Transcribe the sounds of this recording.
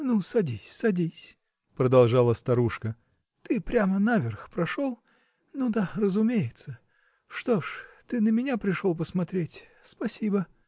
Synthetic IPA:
nusɐdʲisʲsɐdʲisʲ | pɾəd̪ɐlˠʐalˠəst̪ɐɾuʂkə | t̪ɨpɾʲamənavʲɪrxpɾɐʂolˠ | nud̪arəzʊmʲejɪt̪sə | ʂt̪oʂt̪ɨnəmʲɪnʲapɾʲɪʂolˠp̬əsmɐt̪ɾʲetʲ | spɐsʲibə

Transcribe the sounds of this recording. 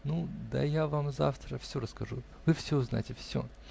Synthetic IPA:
nud̪a̰javamza̰ft̪ɾəfsʲoɾəskɐʐu | vɨfsʲozna̰tʲɪfsʲo̰

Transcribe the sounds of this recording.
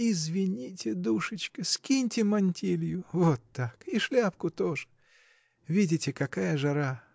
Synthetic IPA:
ɪzvʲɪnʲitʲɪd̪uʂɨt͡ɕkəskʲinʲtʲɪmɐnʲtʲilʲjʊvot̪ːakiʂlʲapkʊt̪oʐɨ | vʲidʲɪtʲɪkɐkajəʐɐɾa

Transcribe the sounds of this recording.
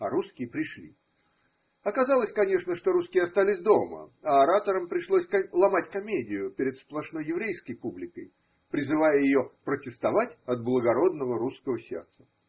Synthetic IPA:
ɐɾuskʲɪjəpɾʲɪʂlʲḭ | ɐkɐzalˠəsʲkɐnʲe̞ʂnəʂt̪o̞ɾuskʲɪjɐst̪alʲɪsʲd̪o̞mə̰ɐɐɾat̪əɾəmpɾʲɪʂlˠosʲkɐlˠɐmatʲkɐmʲedʲɪjʊpʲɪɾʲɪt̪splˠɐʂno̞jːɪvɾʲejskəjpublʲɪkəj | pɾʲɪzɨvajəjɪjopɾətʲɪst̪ɐvatʲɐt̪̚blˠəɡɐɾo̞d̪nəvəɾuskəvəsʲe̞̰rt̪sə̥

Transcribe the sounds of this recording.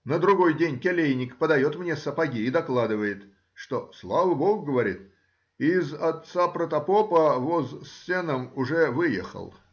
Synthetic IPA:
nəd̪ɾʊɡo̞jdʲenʲkʲelʲejnʲɪkpəd̪ɐjo̞t̪mnʲesəpɐɡʲiːd̪ɐklˠad̪ɨvəjɪt̪ | ʂt̪o̞slˠavəboɡɡəvɐɾʲḭt̪ | ɪːzɐt̪sapɾət̪ɐpopəvozsːʲenəmʊʐɛvɨjɛ̰xə̰lˠ

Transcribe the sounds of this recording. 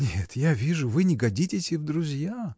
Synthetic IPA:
nʲet̪javʲiʐʊvɨnʲɪɡɐdʲitʲɪsʲɪvd̪ɾʊzʲja

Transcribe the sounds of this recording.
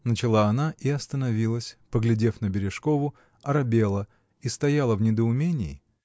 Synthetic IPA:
nət͡ɕɪlˠaɐnaʔiɐst̪ənɐvʲilˠəsʲpəɡlʲɪdʲe̞fnəbʲɪɾʲɪʂkovʊ | ɐɾɐbʲe̞lˠə | ist̪ɐjalˠəvnʲɪd̪əʊmʲenʲɪɪ

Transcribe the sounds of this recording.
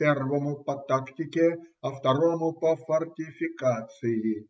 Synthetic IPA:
pʲɛrvɐmʊpɐt̪akt̪ʲɪkʲeɐft̪ɐɾɔmʊpɐfɐrtʲɪfʲɪkat̪sɨjɪ

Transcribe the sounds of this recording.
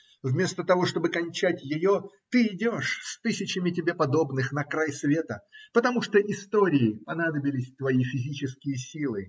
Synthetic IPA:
vmʲe̞st̪ət̪ɐvo̞ʂt̪o̞bɨkɐnʲt͡ɕætʲjɪjo̞t̪ɨɪdʲo̞ʂst̪ɨsʲɪt͡ɕɪmʲɪtʲɪbʲe̞pɐd̪o̞bnɨxnɐkɾajsvʲe̞t̪əpət̪ɐmuʂt̪oʔɪst̪oɾʲɪɪpɐnad̪əbʲɪlʲɪsʲt̪vɐifʲɪzʲit͡ɕɪskʲɪjəsʲilˠɨ

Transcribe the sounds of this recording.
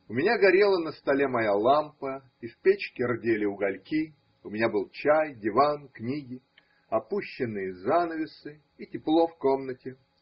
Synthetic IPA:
ʊmʲɪnʲaɡɐɾʲe̞lˠənəst̪ɐlʲemɐjalˠampə | ifʲpʲet͡ɕkʲɪrdʲelʲɪʊɡɐlʲkʲi | ʊmʲɪnʲabɨlˠt͡ɕæjdʲɪvanknʲiɡʲɪ | ɐpuɕːɪnːɨjəzanəvʲɪsɨ | itʲɪplˠo̞fko̞mnətʲɪ

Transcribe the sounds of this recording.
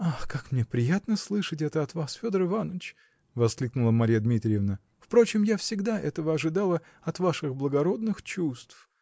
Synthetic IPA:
axkakmnʲepɾʲɪjat̪nəslˠɨʂɨtʲɛt̪əɐt̪vasfʲo̞d̪əɾɨvanəɪt͡ɕ | vɐsklʲiknʊlˠəmɐɾʲijad̪mʲit̪ɾʲɪjəvnə | fpɾo̞t͡ɕɪmjafsʲɪɡd̪aʔɛ̰t̪əvəɐʐɨd̪alˠə | ɐt̪vaʂɨxblˠəɡɐɾo̞d̪nɨxt͡ɕust̪f

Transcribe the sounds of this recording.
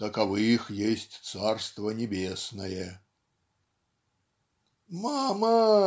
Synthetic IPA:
t̪ɐkavɨxjesʲtʲt̪sarst̪vɐnʲɛbʲesnɐjɛ | mamɐ

